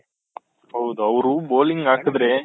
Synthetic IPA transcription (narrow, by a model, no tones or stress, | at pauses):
ɦɐwd̪uɐʋɾuboːliŋɡaːkɯd̪ɾe